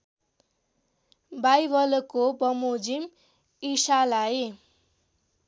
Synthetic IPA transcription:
bajbʌlokobʌmod͡zim | isalaj

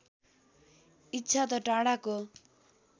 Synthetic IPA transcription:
itːʃʰat̪̬ɔʈaɽako

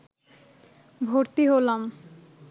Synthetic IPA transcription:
bʱoɾt̪iɦolam

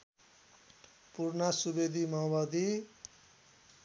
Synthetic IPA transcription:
puɾnasubed̪ʱimawbad̪i

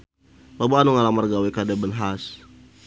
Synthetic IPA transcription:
babaanuŋalamərɡawekadabənɦas

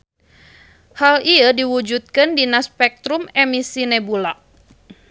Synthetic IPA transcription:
haliədiwud͡ʒut̪̚kɨndinaspɛk̚t̪ɾumɛmisinɛbula

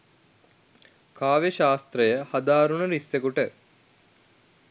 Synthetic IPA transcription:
kaːʋeʃaːst̪ɾəjəhad̪aːɾunəɾisːekuʈə

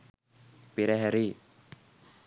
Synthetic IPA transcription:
piɾɛɦɛɾi

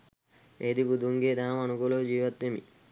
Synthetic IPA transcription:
eːd̪ibud̪ʱuŋɡeːd̪aːmɐnuɡolod͡ʒiːʋɐt̪ːemḭ

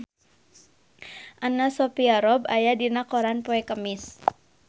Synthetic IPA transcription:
ʔanasɔpiaɾɔbajadinakɔɾanpɔɛkəmɪs

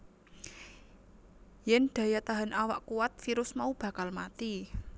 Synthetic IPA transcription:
jɛnd̪̥a̤jat̪aɦanʔawaʔkuat̪̚fiɾʊsmaub̥ä̤kalmat̪i

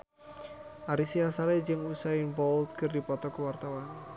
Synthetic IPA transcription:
ʔaɾisiasaled͡ʒəŋusainbɔlt̪̚kərdipɔt̪ɔkəwart̪awan

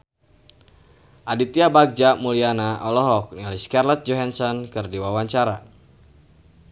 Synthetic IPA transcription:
ʔadit̪iabaɡ̚d͡ʒamulianaɔlɔɦɔk̚niliskarlɔt̪̚d͡ʒɔɦansɔnkɨrdiwawaɲt͡ʃaɾa

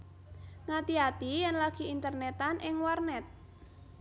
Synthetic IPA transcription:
ŋat̪iat̪ijɛnlaɡ̥i̤int̪ərnɛt̪anʔɪŋwarnɛt̪̚

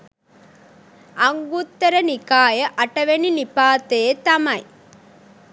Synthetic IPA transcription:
ɐŋɡut̪ːɐɾɐnikaːjɐʔɐʈɐʋeninipaːt̪eːt̪ɐmɐj

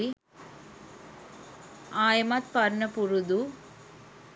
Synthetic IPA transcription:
i | aːjɐmat̪pɐɾɳɐpuɾud̪u

